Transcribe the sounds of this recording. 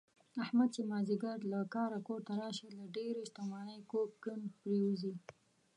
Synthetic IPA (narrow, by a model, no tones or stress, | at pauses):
ahmad̪̚t͡ʃemɑziɡaɾlakɑɾakoɾt̪aɾɑʃəlaɖeɾeʃt̪amɑnəjkokɡənpɾewuzi